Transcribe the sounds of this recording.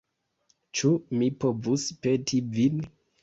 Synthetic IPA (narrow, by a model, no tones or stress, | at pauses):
t͡ʃumipovuspetʰivin